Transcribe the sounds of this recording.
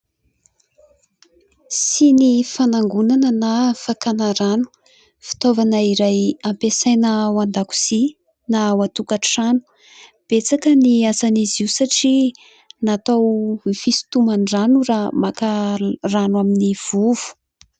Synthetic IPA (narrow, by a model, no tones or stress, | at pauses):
sinifanaŋɡunanənafakanaɾanu̥ | fi̥t̪ovanəiɾajampesajnəwand̪aku̥z̥i | nawat̪ukaʈ͡ʂanu̥ | b̥et͡sakəniasaniziusaʈ͡ʂi | nat̪awfisu̥t̪umanranuramakaranwaminiv̥uv̥u̥